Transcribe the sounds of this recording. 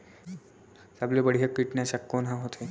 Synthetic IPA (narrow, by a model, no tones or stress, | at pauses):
sablebəɽ̤ijakːiʈnesakːonɦãɦot̪ʰe